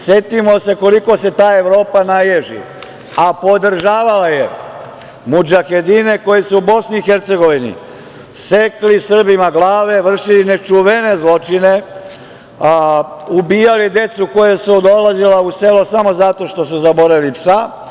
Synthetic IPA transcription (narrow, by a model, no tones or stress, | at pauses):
sje̞t̪imo̞se̞ko̞liko̞se̞t̪aːe̞ʋɾo̞ːpanajeʒḭ | apo̞d̪r̩ʒaːʋalaje | mud͡ʒaxed̪ine̞ko̞jesuubo̞sniːxe̞ɾt̪se̞ɡo̞ʋinḭ | seklisr̩bimaɡlaːʋe̞ʋr̩ʃiline̞t͡ʃuʋe̞ne̞zlˠo̞t͡ʃine̞ | ubiːjalid̪e̞t̪suko̞jesud̪o̞lazilause̞losamo̞zat̪o̞ʃt̪o̞suzabo̞ɾaʋilipsa